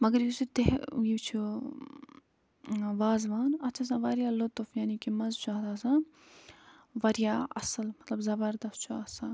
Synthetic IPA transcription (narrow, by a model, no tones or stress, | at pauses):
mɐɡəɾjusit̪eɦjiːt͡ʃʰu | ʋaːzʋaːnɐt̪t͡ʃʰas̬ãːʋaɾjaːlʊt̪fjaːnikimɐzt͡ʃʰaːd̪aːsãː | ʋɐɾjaːɐ̰səlmɐt̪lɐbzɐbəɾd̪ɐst͡ʃʰuɐsãː